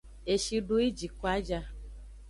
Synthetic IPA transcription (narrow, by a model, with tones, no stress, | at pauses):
e˨ʃi˧ɖu˦i˦d͡ʒi˨ko˦a˦d͡ʒa˧